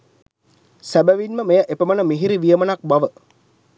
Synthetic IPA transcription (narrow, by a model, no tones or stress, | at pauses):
sæbəʋinməmejəʔepəmənəmiɦiɾiʋijəmənak̚baʋə